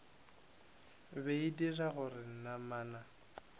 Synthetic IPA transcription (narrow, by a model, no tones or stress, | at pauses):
beidiraɣʊrɪn̩namaːna